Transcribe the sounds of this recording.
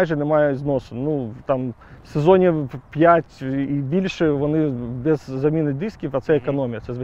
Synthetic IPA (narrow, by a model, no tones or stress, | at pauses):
jʐɨnɪmajɛznosɨnut̪amsʲɪzonʲɪpʲjætʲibʲilʲʂɨvɐnɨbʲɪzːɐmʲinɐjd̪ɨskʲɪkɐt̪sɛɛkɐnomʲɪjɐsʲɛz